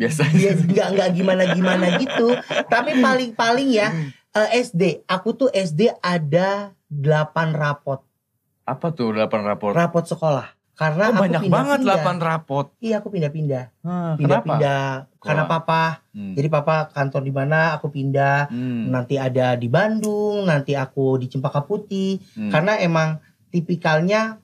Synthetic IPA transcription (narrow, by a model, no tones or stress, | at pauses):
biasajaŋɡaʔŋɡaʔɡimanaɡimanaɡit̪ut̪apipalɪŋpalɪŋja | ʔəʔɛsdeakut̪ʊʔɛs̬deʔada | dəlapanrapɔt̪̚ | apat̪ʊdəlapanra̰pɔrapɔt̪̚səkolah | kaɾənaakɲuapinbaŋəndlapanrapɔt̪̚ijaːkupindapindapindapindakaɾnapapad͡ʒadipapakant̪ɔrdimanaːkupindahnant̪iadadibandʊŋnant̪iakudit͡ʃəmpakaput̪ihkarənaemaŋ | t̪ipikalɲa